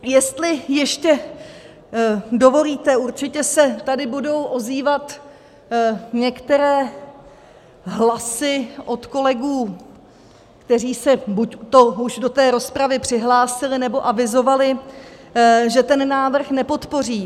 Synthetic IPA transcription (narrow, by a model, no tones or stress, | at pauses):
jɛst̪lɪjɛʃcɛ | do̞vo̞liːt̪ɛuɾt͡ʃɪcɛsɛt̪adɪbudo̞wʔo̞ziːvat̪ | ɲɛkt̪ɛɾɛː | ɦlasɪʔo̞t̪ko̞lɛɡuː | kt̪ɛriːsɛbuct̪o̞uʒdo̞t̪ɛːɾo̞spɾavɪpr̝̥ɪɦlaːsɪlɪnɛbo̞ʔavɪzo̞valɪ | ʒɛt̪ɛnːaːvr̩xnɛpo̞t̪po̞r̝iː